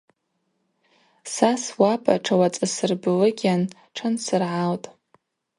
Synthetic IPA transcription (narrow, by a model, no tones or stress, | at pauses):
saswapʰʼa̰ʈ͡ʂʰawat͡sʼasɨrbɨlɨɡʲan | ʈ͡ʂʰansɨrʕaltʼ